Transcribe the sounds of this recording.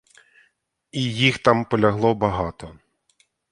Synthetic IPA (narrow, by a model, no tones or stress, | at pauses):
ijixt̪ɑmpɔlʲɐɦlˠɔbɐɦɑt̪ɔ